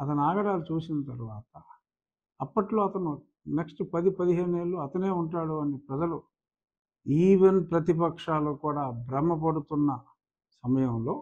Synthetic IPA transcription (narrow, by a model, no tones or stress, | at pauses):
ɐt̪ɐnuaːɡɐɽaːlut͡ʃuːsinɐt̪ɐɾuʋaːt̪ɐ | ɐpːɐʈlo̞ːɐt̪ɐnu | neksʈpɐd̪ipɐd̪iɦe̞ːneːɭːuːɐt̪ɐne̞ːuɳʈaːɽuɐnipɾɐd͡ʒɐlu | iːʋenpɾɐt̪̬ip̬ɐkʂaːloːkuːɽaːbɾɐmɐpɐɽut̪unːɐ | sɐmɐjɐmlo̞ː